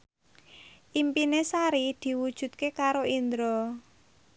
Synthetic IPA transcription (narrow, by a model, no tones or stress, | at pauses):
ʔimpinesaɾid̪̥i̤wud̥ʒ̥ṳt̪̚kekaɾoind̪ɾɔ